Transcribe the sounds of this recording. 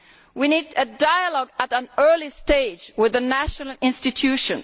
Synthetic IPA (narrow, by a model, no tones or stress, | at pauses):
winidɨdaɪəlɔɡəɾə̃nɜ˞listeɪd͡ʒwɪðənæʃnəl̩ˠɪ̃nstɨtʰʉʃɨ̃n